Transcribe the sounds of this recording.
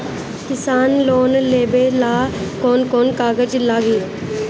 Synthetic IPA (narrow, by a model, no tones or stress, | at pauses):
kɪsaːnloːnleːbelaːkoːnkoːnkaːɡəd͡ʒlaːɡiː